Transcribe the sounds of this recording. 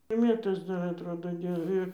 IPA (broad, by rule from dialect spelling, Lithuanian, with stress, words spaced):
ɪ ˈmʲeːtoːs ˈdɐr ɐtˈroːdoː ˈdʲeːlˠ ˈɪr